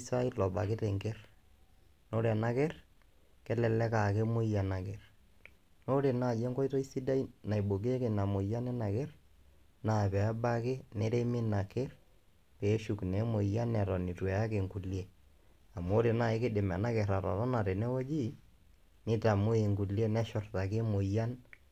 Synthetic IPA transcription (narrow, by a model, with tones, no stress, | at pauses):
sa˦i˦lɔ˨ba̰˨kɪ˦tɛ˨ŋkɛ˦r | no˦ɾɛ˨na˦kɛ˦r | kɛ˦lɛ˨lɛ˦ka˨ke˦mo˦ja˨na˨kɛ˨r | no˦ɾe˨na˦˨je˦ŋkɔ˦jtɔ˦i˦si˦da˦i˦na˨jbo˨k̬e˦ke˨na˨mo˨ja˦nɛ˦na˨kɛ˦r | naː˦pɛ˨a˦ba˦ke˦nɛ˦ɾe˦mɪ˦na˨kɛ˦r | pe˨˦ʃu˨knɛ˨mo˨ja˦nːɛ˨ɾɔ˨ni˨twɛ˨a˦ke˨ŋku˨li˦e˦ | a˨mo˦ɾe˨na˦e˦kɪ˦dɪ˨mɛ˨na˦kɛ˨ɾa˨ɾɔ˨ɾɔ˦na˨ɾe˨nɛ˦wɔ˦d͡ʒi˦ | nɪ˦ta˨mo˦e˨ŋku˨lje˦nɛ˦ʃʊ˨rta˨ke˦mo˨ja˦n